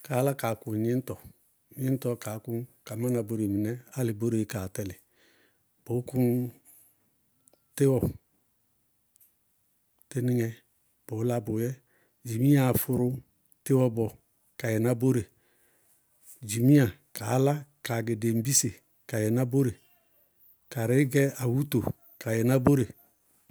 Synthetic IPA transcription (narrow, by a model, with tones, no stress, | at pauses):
ka˨˦la˦ka˨kʊ˨ɲɪ˦n̩˦tɔ˨ | ɲɪ˦n˦tɔ˦ka˨˦ku˦nka˨ma˦na˨bo˦ɾe˨mi˨nɛ˦a˦lɪ˨bo˦ɾe˨˦ka˨tɛ˦lɪ˨ | b̥o˨˦ku˦n | tɪ˦wɔ˨ | te˦nɪ˦ŋɛ˨ | b̥o˨˦la˦bo˨jɛ˦ | d͡ʒi˨mĩ˦a˨fʊ˨ɾʊ˦ | tɪ˦wɔ˦bɔ˨ | ka˨jɛ˨na˦bo˦ɾe˨ | d͡ʒi˨mĩ˦a˨ka˨˦la˦ka˨ɡɪ˨de˨m̩˦bi˦se˨ | ka˨jɛ˨na˦bo˦ɾe˨ | ka˨ɾɪ˨˦ɡɛ˦a˨wu˦to˨ | ka˨jɛ˨na˦bo˦ɾe˨